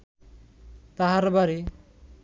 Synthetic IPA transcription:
t̪aɦaɾbaɾi

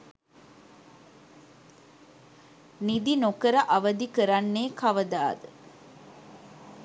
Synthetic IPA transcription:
nid̪inokəɾɐʔɐʋɐd̪ikəɾanːeːkaʋəd̪aːd̪ə

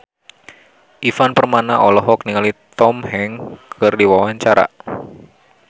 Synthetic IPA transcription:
ʔifanpərmanaʔɔlɔɦɔk̚niŋalit̪ɔmhɛŋkʰɨrdiwawaɲt͡ʃaɾa̰

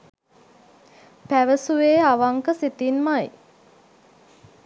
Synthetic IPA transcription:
pæʋəsuʋeːaʋaŋkəsit̪inmaj

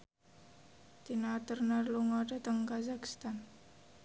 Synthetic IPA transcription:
t̪inat̪ərnaluŋadat̪əŋkazakst̪an

